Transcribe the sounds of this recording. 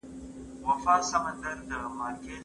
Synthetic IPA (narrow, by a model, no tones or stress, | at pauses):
ʋɐfaːsəmə̃nd̪əɾd̪əmaːɾkeː